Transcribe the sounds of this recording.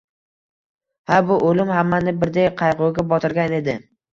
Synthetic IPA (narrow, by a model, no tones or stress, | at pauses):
habʊʔolɪmhamːanɪbɪɾd̪ejqʰɑjqoɡʲabɒt̪ʰɪɾɡʲane̞d̪ɪ